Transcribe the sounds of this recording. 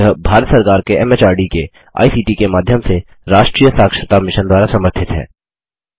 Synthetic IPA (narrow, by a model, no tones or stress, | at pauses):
əɦbʱaːɾət̪səɾkaːɾkeɛmɛt͡ʃaːɾɖike | a̰ːisiːʈikemaːd̪ʱjəmse | ɾaːʃʈɾiːjəsaːkʃət̪amɪʃənd̪waːɾasɐməɾt̪ʰɪt̪ɦɛ̰ː